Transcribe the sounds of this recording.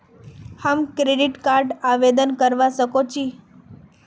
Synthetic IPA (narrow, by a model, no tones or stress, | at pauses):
hamkɾeɖiʈkaɾɖaʋed̪ənkəɾʋasəkot͡ɕi